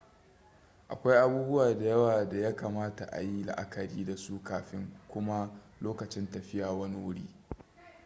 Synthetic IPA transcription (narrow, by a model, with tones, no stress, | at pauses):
ʔa̰˨kʷa˦jʔa˦buː˦bʊ˦waː˨da˨jɐ˦waː˨da˨ja˦kaː˨maː˦ta˨ʔa̰˨ji˦la̰˨ʔa˦kɐ˨ɽiː˦da˨su˦kaː˨ɸɪ˦ŋkʷʊ˦ma˦ | loː˦kɐ˨t͡ʃɪ˦ntɐ˨ɸɪ˦jaː˨wɐ˦ni˦wʊ˦ɽḭː˦